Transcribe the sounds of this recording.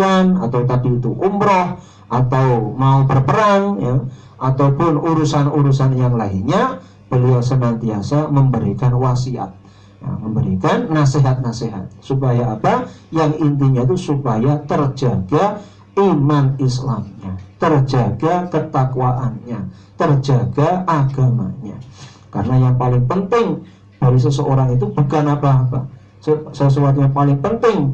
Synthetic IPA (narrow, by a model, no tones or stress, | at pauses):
anat̪awt̪adiut̪uumɾɔh | ʔat̪awmaubərpəɾaŋja | ʔat̪awpʊnuɾusanuɾusanjaŋlaiɲa | b̥əliawsənant̪iasaməmbəɾikanwasia̰t̪̚ | ja̰məmbəɾikanːaseɦat̪̚naseɦa̰t̪̚supajaːpajaŋint̪iɲat̪usupajat̪ərd͡ʒaɡa | imanislamɲat̪ərd͡ʒaɡ̥akət̪akwaʔanɲa | t̪ərd͡ʒaɡaaɡ̥amaɲa̰ | kaɾənajaŋpalɪŋpənt̪ɪŋ | d̥aɾis̬əsəoɾaŋit̪̬ub̥ukanapaːpa̰ | ssəs̬uwat̪̬jaŋpalɪŋpənt̪ɪŋ